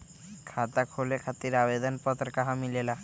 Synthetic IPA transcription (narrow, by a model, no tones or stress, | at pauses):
kʰat̪akʰolekʰat̪iɾabed̪ɔnpɔt̪ɾkaɦãmilela